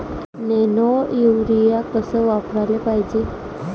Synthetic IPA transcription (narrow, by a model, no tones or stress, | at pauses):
nenojuʋɾijakəsəʋapɾalepaɦjd͡ʑe